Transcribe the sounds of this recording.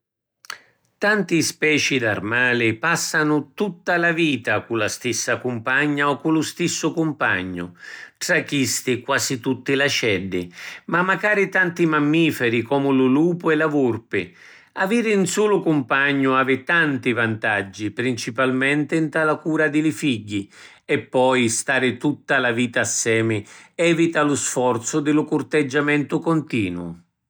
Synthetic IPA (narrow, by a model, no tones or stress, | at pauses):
t̪ant̪ispɛːt͡ʃid̪a̰rmaːlɪpasːanʊt̪ut̪ːalaviːt̪akulast̪isːakʊmpaɲːaɔkːulʊst̪isːʊkʊmpa̰ɲːʊ̰ʈ̪ɾakːist̪ɪkwaːsit̪ut̪ːɪlat͡ʃɛdːɪmamːakaːɾit̪ant̪imamːiːfɛɾikɔːmʊlʊluːpʊɛlavurpɪ | aviːɾɪnsuːlʊkʊmpaɲːʊaːvɪt̪ant̪ivant̪ad͡ʒːipɾint͡ʃipalmɛnt̪ɪnt̪alakuːɾad̪ɪlɪfiɟːi | ɛpːɔjst̪aːɾɪt̪ut̪ːalaviːt̪aːsːɛːmɪɛːvit̪alʊsfɔrt̪sʊd̪ɪlʊkʊrt̪ɪd͡ʒːamɛnt̪ʊkɔnt̪ḭːnwʊ̰